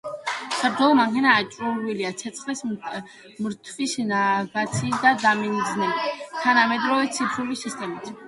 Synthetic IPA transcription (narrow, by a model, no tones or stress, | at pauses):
sʰaɾt̪ʰɛlˠɔmaŋkʰɛnaːt͡ʃʼɾuɾwiliat̪sʰɛt̪sʰχlɛs | mɾt̪ʰvisnaɡat̪sʰiːsd̪ad̪amind̪znɛbit̪ʰanamɛd̪ɾɔvɛt̪sʰipʰɾulisist̪ʼɛmit̪ʰ